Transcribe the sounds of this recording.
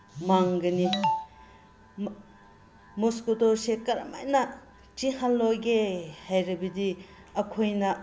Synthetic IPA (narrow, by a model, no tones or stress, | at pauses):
maŋɡɐni | moskotoɾsekɐɾɐ̰ma̰jnɐ | t͡ʃihalːojɡehajɾɐbɐdi | ɐkʰojnɐ